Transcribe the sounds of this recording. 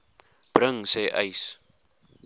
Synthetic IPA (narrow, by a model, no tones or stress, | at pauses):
b̥ɾəŋseʔɐ̰js